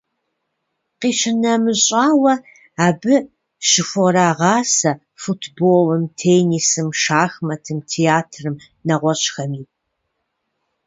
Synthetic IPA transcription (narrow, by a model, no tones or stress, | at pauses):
qiːɕʰɪnɐmɨɕʼaːwɐ | aːbɨ | ʃɪfʷɔɾaːʁɑːsɐ | futʰboːlɨmtʰeːnisɨmʃaːxmɐtʰɨmtʰeaːtʰrɨm | nɐʁʷɔɕʼxɐmiː